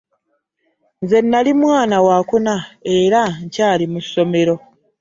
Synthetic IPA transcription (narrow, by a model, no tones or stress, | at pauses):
nze̞nːalimwaːnawaːkunae̞ɾaɲcaːlimusːo̞me̞ɾo̞